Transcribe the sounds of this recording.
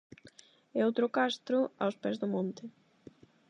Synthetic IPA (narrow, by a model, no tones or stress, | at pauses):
ɛowt̪ɾʊkast̪ɾʊa̰wspɛzðʊmõnt̪ɪ